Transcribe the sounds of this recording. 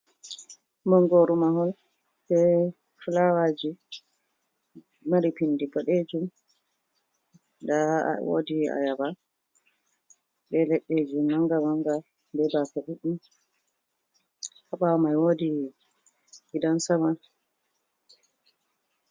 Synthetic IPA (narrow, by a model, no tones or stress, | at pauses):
mɔŋɡoɾumahɔl | bɛ | fulawad͡ʒi | aɾipindiɡɔɗed͡ʒum | da̰wo̰dia̰jaba | bɛlɛɗːed͡ʒumːaŋɡamaŋɡa | bɛbakaɗuɗum | haɓawɔmajwodi | ɡidansama